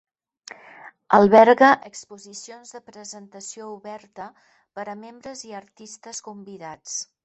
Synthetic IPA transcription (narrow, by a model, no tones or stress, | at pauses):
əlˠβɛɾɣəʔəkspuzisionzðəpɾəzənt̪əsiouβɛɾt̪ə | pəɾəmembɾəziəɾt̪ist̪əskumbiðat͡s